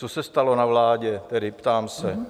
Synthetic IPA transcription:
t͡sosɛst̪alo̞navlaːɟɛt̪ɛdɪpt̪aːmsɛ

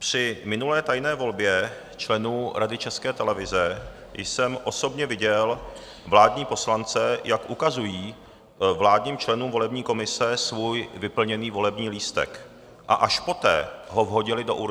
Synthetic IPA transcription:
pr̝̥ɪmɪnulɛːt̪ajnɛːvo̞lbjɛ | t͡ʃlɛnuːɾadɪt͡ʃɛskɛːt̪ɛlɛvɪzɛ | jsɛmʔo̞so̞bɲɛvɪɟɛl | vlaːdɲiːpo̞slant͡sɛjʔakʔukazujiː | vlaːdɲiːmt͡ʃlɛnuːmvo̞lɛbɲiːko̞mɪsɛsvuːjvɪpl̩ɲɛniːvo̞lɛbɲiːliːst̪ɛ̰k | ʔa̰ʔaʃpo̞t̪ɛ̰ːɦo̞vɦo̞ɟɪlɪdo̞̰ʔuɾ

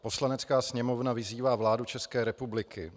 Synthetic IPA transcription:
po̞slanɛt͡skaːsɲɛmo̞vnavɪziːvaːvlaːdut͡ʃɛskɛːɾɛpublɪkɪ

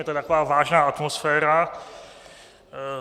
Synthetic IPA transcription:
jɛt̪ot̪akovaːvaːʒnaːʔat̪mosfɛːɾa

